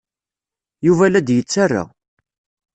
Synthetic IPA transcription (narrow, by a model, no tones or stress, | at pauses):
juvælæd̪jət͡sːarːa̰